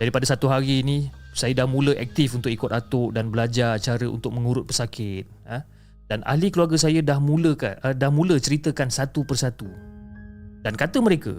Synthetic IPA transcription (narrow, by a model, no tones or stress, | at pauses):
d͡ʒaɾipadasat̪uɦaɾiːnĩsajədahmũləʔɛk̚t̪ɪfunt̪ʊkikʊt̪at̪ʊʔdanbəlad͡ʒart͡ʃaɾəʔṵnt̪ʊk̚mə̃ŋuɾʊt̪̚pəsakɪt̪̚ə | d̥ana̰hlikəluarɡəs̬ajədahmũləka̰ədahmũlət͡ʃəɾit̪əkansat̪upərsat̪u | d̥ankat̪əməɾekə̰